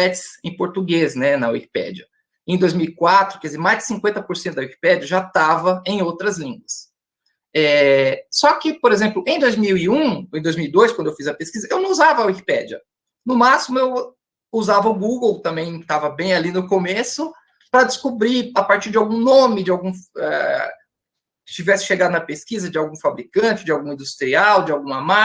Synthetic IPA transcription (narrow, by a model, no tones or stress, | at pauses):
ɛt͡ʃsẽj̃poɾt̪uɡesnɛnɐwḭki̥pɛ̰d͡ʒɐ | ẽj̃d̪ojzmiwikwat̪ɾʊkɛdɪzeɾmajzd͡ʒɪ̥sĩŋkwẽnt̪ɐpoɾsẽt̪ʊd̪ɐwiki̥pɛd͡ʒiɐʒat̪avɐẽj̃owt̪ɾɐzlĩɡwɐs | ɛsɔkɪpoɾezẽplʊʔẽj̃d̪ojzmiwiũẽd̪ojzmiwid̪ojskwɐ̃d̪ewfizɐpeskizɐewnɐ̃w̃uzavɐːwiki̥pɛ̰d͡ʒɐ̰ | nʊmasimʊew | uzavɐʊɡuɡowt̪ɐ̃mbẽj̃t̪avɐbẽj̃alinʊkomesʊ | pɾɐd͡ʒɪskubɾiapaɾt͡ʃiɾd͡ʒɪawɡũnõmɪd͡ʒɪawɡũɛ̰ | t͡ʃivɛsɪ̥ʃeɡad̪ʊnɐpeskizɐd͡ʒɪawɡũfabɾikɐ̃t͡ʃɪd͡ʒɪawɡũĩd̪ust̪ɾiawd͡ʒɪawɡũɐma